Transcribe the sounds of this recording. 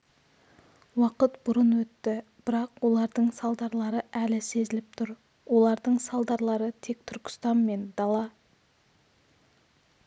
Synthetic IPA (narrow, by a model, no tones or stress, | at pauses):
wɑqət̪bʊɾənwɵt̪ːɪb̥ɪɾɑqwo̞lˠɑɾd̪əɴsɑlˠd̪ɑɾlˠɑɾəʔælɪse̞zɪlɪp̚t̪ʰʊɾ | wo̞lˠɑɾd̪əɴsɑlˠd̪ɑɾlˠɑɾət̪ʰe̞kt̪ʰʏɾkʲɪ̥st̪ɑnme̞nd̪ɑlˠɑ